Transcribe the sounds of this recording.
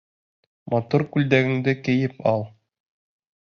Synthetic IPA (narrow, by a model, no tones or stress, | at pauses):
mɑt̪uɾkʉld̪æɡɘ̆ŋd̪ɘkɘ̆jɘpɑlˠ